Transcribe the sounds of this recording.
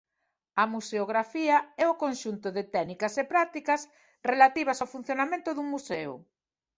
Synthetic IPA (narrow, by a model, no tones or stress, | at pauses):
ɐmuseoɣɾafiɐɛʊkonʃunt̪ʊðeɪt̪ɛnikɐsepɾat̪ikɐs | relat̪iβ̞ɐsawfun̟θjonamẽnt̪ʊðuŋmusɛʊ̰